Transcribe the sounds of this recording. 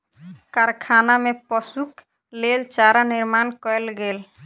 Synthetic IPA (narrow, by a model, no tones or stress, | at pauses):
kaɾkʰanamẽpɔsuk | leːlt͡ʃaːɾanɪɾmaːnkɔelɡeːl